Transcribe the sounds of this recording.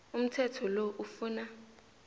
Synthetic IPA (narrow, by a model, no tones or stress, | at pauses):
um̩tʰɛtʰɔloʔufuːna